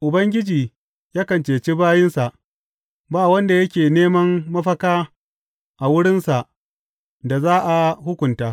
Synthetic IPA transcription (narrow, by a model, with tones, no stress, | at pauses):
ʔʊ˨bɐ˦ŋɡʲɪ˦d͡ʒiː˨ | jaː˦kɐ˨nt͡ʃeː˨t͡ʃi˦baː˦jɪ˦nsa˨ʔ | baː˦˨wɐ˦nda˨jɐ˦kʲeː˨neː˦mɐ˦mːɐ˦ɸɐ˦kaː˦ | ʔa˨wʊ˦ɽɪ˦nsa˨ʔ | da˨zaː˦ʔa˨hʊ˦kʷʊ˨ntaː˦